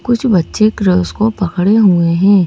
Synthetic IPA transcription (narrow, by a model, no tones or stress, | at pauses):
kʊt͡ʃʰbɐtːʃekɾəːskopɐkɽeɦueɦɛ̃ː